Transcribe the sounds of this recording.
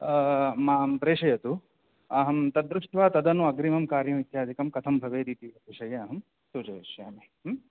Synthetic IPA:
maːɐmpɾeːʂɐjɐt̪u | ɐɦɐmt̪ɐd̪ɾuʂʈʋaːt̪ɐd̪ɐnuɐɡɾimɐmkaːɾjɐmit̪jaːd̪ikɐmkɐt̪ʰɐmbʱɐʋeːɾiːt̪iɐt̪iʃɐjɐːɦɐm | suːt͡ʃɐjɐʃja̰ːmeːɦm

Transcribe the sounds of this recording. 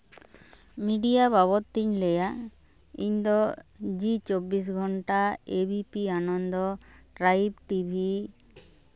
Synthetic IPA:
miɖijabaβɔt̪ːiɲlɛja | ḭɲd̪ɔd͡ʒit͡ʃobːis̬ɡʱɔɳʈaebipianɔnd̪ɔʈɾajbʈibʱi

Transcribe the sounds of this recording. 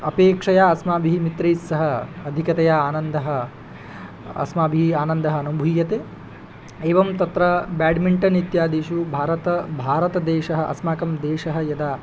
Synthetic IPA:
ɐpeːkʂɐjaːɐsmaːbʱiɦimit̪ɾɐjsːɐɦɐɐd̪ʱikɐt̪ɐjaːaːnɐnd̪ɐɦɐ̆ | ɐ̰smaːbʱiɦiaːnɐnd̪ɐɦɐɐnubʱujɐt̪eː | eːʋɐmt̪ɐt̪ɾɐbaːɖmiɳʈɐnit̪jaːd̪eːʃubʱaːɾɐt̪ɐbʱaːɾɐt̪ɐd̪eːʃɐɦɐʔɐ̰smaːkɐmd̪eːʃɐɦɐ̆jɐd̪aː

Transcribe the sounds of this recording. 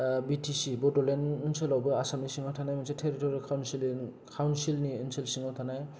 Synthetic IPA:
bitʰisibɔdɔlenunselɔbɯasamisiŋɔtʰanajmɔnsetʰeɾitɔɾekʰawnsili | kʰawnsilniunsilsiŋɔtʰanaj

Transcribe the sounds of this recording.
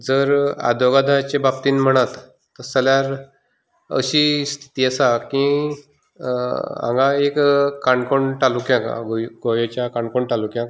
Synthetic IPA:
d͡zəɾa̰d̪oɡad̪ʱaat͡ɕebab̚t̪iːnm̤əɽ̃at̪ː | əɾsəljaɾ | ə̰ɕist̪ʰi̥t̪iːəsakĩ | ã̰ŋɡãekːaɳɖkoɳʈalukjãka̰ɡoɡojot͡ɕjakaɳkoɳʈalukjã

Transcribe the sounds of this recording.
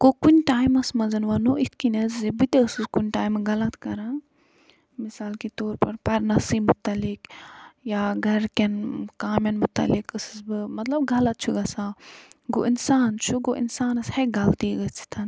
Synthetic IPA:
kokunʲʈaːjmɐsmɐzɐnʋɐnoit̪̚ʰkinɐzzebit̪eɨsɨskunʲʈaːjmɡɐlɐt̪kɐɾãː | misaːlket̪oːɾpɐɾpɐɾnɐsiːmut̪ɐlikjaːɡʱɐɾkɐnkaːmjɐnmut̪ɐ̰likɨsɨsbɨmɐt̪lɐb̚ɡɐlɐt̪̚t͡ʃʰuɡɐsaːɡo̰ʔinsaːnt͡ʃʰuɡoʔḭnsaːnɐshɐɡɐʋt̪iːɡɐt͡ʃʰi̥t̪ʰɐn

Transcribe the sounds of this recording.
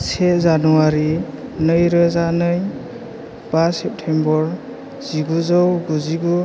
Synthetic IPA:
sezanuwaɾinɯjɾɯzanɯj | b̥asɛp̚tʰembɔɾ | z̥iɡuzɔwɡuziɡu

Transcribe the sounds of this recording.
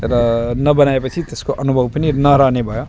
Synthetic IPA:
ɾʌnʌbʌnaepʌt͡sʰit̪eskoʔʌnubʱʌbpʌninʌɾanebʱʌjo

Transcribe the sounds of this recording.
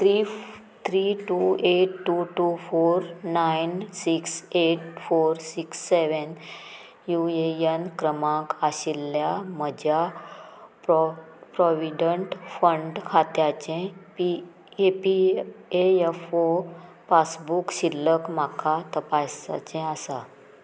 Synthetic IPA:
t̪ɾi | t̪ʰɾiʈueʈːuʈufoɾnajnsikseʈfoɾsiksːeʋən | juejənkɾəmãkaɕilːjam̤əd͡ʑʱja | p | pɾɔʋiɖəɳʈfəɳɖkʰat̪jat͡ɕɛ̃pi | epieefo | pasbukɕilːəkmakʰat̪əpasa̰t͡ɕɛ̃asa̰

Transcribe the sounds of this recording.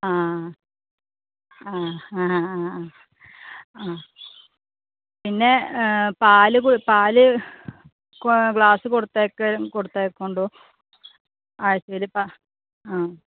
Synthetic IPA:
aː | a | aː | pinːe̞paːlɨkopaːlɨ | kɡɭaːsɨkoɽut̪ːeːkːɐkoɽut̪ːaːkːoɳɖoː | aːjɐsɐʋilpa | aː

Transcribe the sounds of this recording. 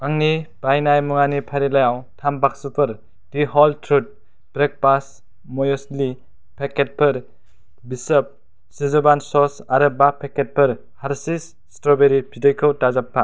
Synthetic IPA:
baŋnib̥ajnajmuŋanipʰaɾilajawtʰambak̚supʰɯɾ | d̥iɦɔltʰɾut̚ | bɾek̚pas | mɔjɔsli | pʰeket̚pʰɯɾ | bisəp̚ | sizɔbansɔsaɾɯbapʰeket̚pʰɯɾ | haɾsis | stɔbeɾipʰidɔjkʰəwtazapʰːa

